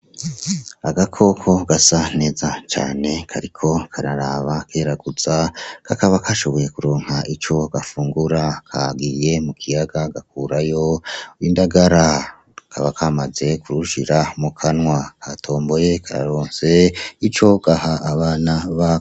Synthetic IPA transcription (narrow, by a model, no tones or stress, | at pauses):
aɡakʰo̞kʰo̞ɡ̥asane̞ːzat͡ʃa̰ːne̞kʰaɾikʰo̞kʰaɾaɾaβakʰeːɾaɡuz̥akʰakaβakʰaʃo̞βo̞je̞kuɾoːŋ̥haʔit͡ʃo̞ɡ̥afuːŋɡuɾakʰa̰ɡije̞mukʰijaɡaɡak̚uːɾajo̞indaɡaɾa | kʰaβakʰamaze̞kuɾuʃiɾamukʰanwakʰatʰo̞ːmbo̞je̞kʰaɾa̰ɾoːnse̞it͡ʃo̞ɡ̥ahaːβaːnaβa